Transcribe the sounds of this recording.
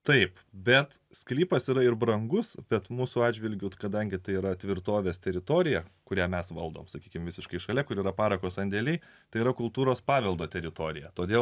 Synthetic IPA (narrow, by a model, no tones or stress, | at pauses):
t̪ɐɪp | bʲɛt̪ | sʲklʲiːpɐsiːɾɐɪɾbɾɐŋɡʊsbʲɛt̪muːsʊɑːd͡ʒʲʋʲɪlʲɡʲʊkɐd̪ɐŋʲɡʲɪt̪ɐɪiːɾɐt̪ʲʋʲɪɾt̪oːʋʲeːst̪ʲɛɾʲɪt̪oːɾʲɪjɛkʊɾʲæːmʲɛsʋɐlˠd̪oːmsɐkʲiːkʲɪmʋʲɪsʲɪʃkɐɪʃɐlʲɛkʊɾiːɾɐpɑːɾɐkoːsɐnʲd̪ʲeːlʲɛɪ | t̪ɐɪiɾɐkʊlˠt̪uːɾoːspɑːʋʲɛlˠd̪oːt̪ʲɛɾʲɪt̪oːɾʲɪjɛt̪oːd̪ʲeːlˠ